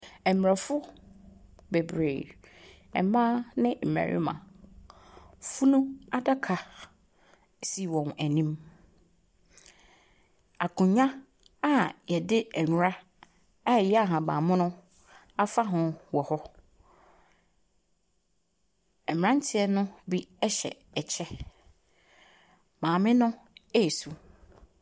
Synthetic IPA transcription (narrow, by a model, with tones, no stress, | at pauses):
ɛ˨m˨ɾa˨fʊ˦ | be˨bɾeː˨ | ɛ̰˨˦mã˦nɪ̃˦m̩˨mæ̰˨ɾʔɪ̰˦mã̰˨ | fu˦nʊ̃˦a˦da˦kʰa˨ | si˦wɔ̃˨næ˨nĩ˦m | a˨kʰʊ̃˨ɲã˦ | a˦jɛ˨dɪ˦ɛ˨ɲᶣʊ˨ɾa˦ | a˦˨jɛ˦a˨ɦã˨bã̰ː˨mʊ̃˦nʊ̃˦ | a˦fa˦ɦʊ̃˨wɔ˨hɔ˦ | ɛ˨m˨ɾã˦n˦tʰɪ˦ɛ˦nʊ̃˦bi˦ɛ˦ɕɛ̰˨ | ɛ˨t͡ɕʰɛ˦ | mãː˨mɪ̃˦nʊ̃˦ | ɛ˦˨su˨